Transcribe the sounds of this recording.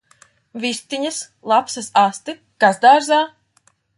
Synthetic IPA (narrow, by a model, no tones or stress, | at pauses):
vist̪iɲas | lˠapsɐsast̪i | ɡ̥azd̪aːɾzaː